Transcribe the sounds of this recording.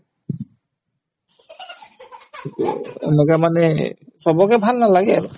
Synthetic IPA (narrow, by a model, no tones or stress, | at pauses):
itṵḛnɛkamanɛsɔbɔkɛbʱalnalaɡɛ